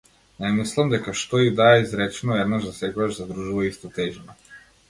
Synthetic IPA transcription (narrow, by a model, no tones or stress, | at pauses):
nɛmislˠamd̪ɛkaʃt̪ɔid̪aɛizɾɛt͡ʃɛnɔɛd̪naʒd̪asɛkɔɡaʒzad̪ɾuʒuvaist̪at̪ɛʒina